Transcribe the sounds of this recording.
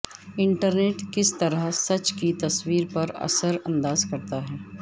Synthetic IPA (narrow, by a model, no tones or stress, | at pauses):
ɪ̃ɳʈəɾneːʈkɪst̪ɐɾəɦsɐt͡ʃkit̪ɐswiːɾpɐɾɐ̰səɾɐ̰̃nd̪aːzkɐɾt̪aɦɛː